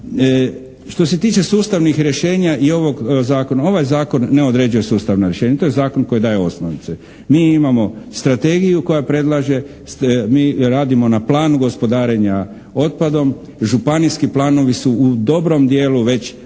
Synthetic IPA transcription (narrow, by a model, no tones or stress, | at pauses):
ʃt̪o̞se̞t̪iːt͡ʃe̞suːst̪aʋnixɾje̞ʃe̞ːɲaʔio̞ʋo̞ɡzaːko̞nao̞ʋajzaːko̞nːeo̞d̪ɾe̞d͡ʒuje̞suːst̪aʋnoɾjeʃeːɲat̪o̞je̞zaːko̞nko̞jid̪aːjeo̞snoʋit̪se | miːimamo̞st̪ɾat̪e̞ːɡijuko̞japɾe̞d̪lˠaʒe̞ | miːɾaːd̪imo̞naplˠaːnuɡo̞spo̞d̪aːɾe̞ɲa | o̞t̪̚pad̪o̞m | ʒupaniskiplˠaːno̞ʋisuud̪o̞bɾo̞md̪je̞ːluʋe̞t͡ɕ